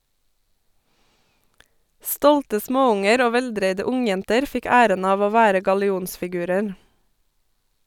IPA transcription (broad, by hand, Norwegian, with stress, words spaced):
ˈstɔltə ˈsmoːˌʊŋəɾ ˈoː ˈʋɛlˌdɾeɪdə ˈʊŋˌjɛntəɾ ˈfɪk ˈæːɾən ˈɑːʋ ˈoː ˈʋæːɾə ɡɑlɪˈuːnsfɪˌɡʉːɾəɾ